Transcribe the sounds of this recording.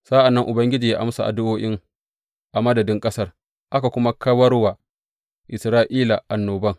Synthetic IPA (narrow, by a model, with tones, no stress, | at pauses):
sa˦ʔa˨nːɐ˦ŋʔʊ˨bɐ˦ŋɡʲɪ˦d͡ʒiː˨jaː˦ʔa˦msa˨ʔa̰˨dʊ˦ʔoː˦ʔɪ˦ŋ | ʔa˨mɐ˦dɐ˨dɪ˦ŋkʼɐ˦sɐ˦r | ʔa˦ka˨kʷʊ˦ma˦kɐ˦wɐ˦rwa˨ | ʔɪ˨sɾaː˦ʔiː˦la˨ʔa˨nːoː˨bɐ˦ŋ